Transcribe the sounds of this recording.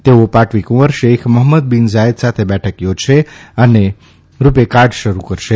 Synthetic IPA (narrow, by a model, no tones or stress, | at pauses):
t̪eopaʈʰʋikuʋəɾʃekʰməɦməd̪̚binzaed̪sat̪ʰebɛʈʰəkjod͡ʒʃeəne | ɾupekaɾɖʃəɾukəɾʃe